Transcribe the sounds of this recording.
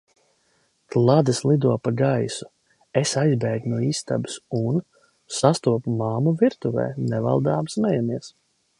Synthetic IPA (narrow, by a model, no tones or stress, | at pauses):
klˠad̪ɨslˠid̪uɔpaɡajsu̥ | esajzbɛːɡ̪nuɔiːst̪a̰bɨsun | sast̪uɔpumaːmuviɾt̪uvɛ̰ːnɛva̰lˠd̪aːbsmɛjamiɛs